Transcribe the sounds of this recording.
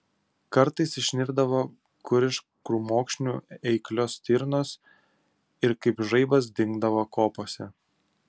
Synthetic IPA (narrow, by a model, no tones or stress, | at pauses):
kɐɾt̪ɐɪsɪʃʲnʲɪɾd̪ɐʋoː | kʊɾʲɪʃ | kɾuːmoːkʃʲnʲuːɛɪklʲoːst̪ʲɪɾnoːs | ɪɾkɐɪpʒɐɪbɐs̬d̪ʲɪŋɡd̪ɐʋokoːpoːsʲɛ